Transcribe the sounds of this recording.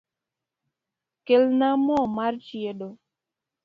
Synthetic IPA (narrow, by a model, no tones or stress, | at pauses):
kelnamɔmaɾt͡ʃieɗo